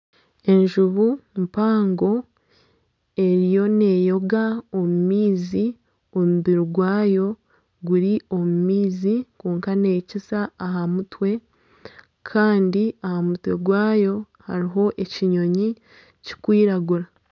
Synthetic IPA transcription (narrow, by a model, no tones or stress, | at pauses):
e̞ɲʒuβumpaːŋɡo̞ | e̞ɾijo̞ne̞ːjo̞ɡaomumiːzi | omuβiɾiɡwaːjo̞ | ɡuɾio̞mumiːzikuːŋkane̞ːcisaːɦamutwe̞ | kʰaːndiahamutwe̞ɡwaːjo̞ | ha̰ɾiɦo̞ʔe̞ciɲoɲi | ci̥kwiːɾaɡuɾa